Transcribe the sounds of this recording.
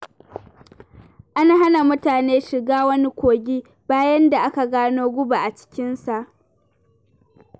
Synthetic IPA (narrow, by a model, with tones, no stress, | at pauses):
ʔa˦na˨ɦa˦na˨mʊ˦taː˨neː˦ʃɪ˨ɡaː˦wɐ˦ni˦kʷoː˨ɡʲi˦ | b̥aː˦jɐ˦nda˨ʔa˦ka˨ɡaː˦noː˦ɡʷʊ˦ba˨ʔa˨t͡ʃɪ̥˦kʲɪ˦nsa˨ʔ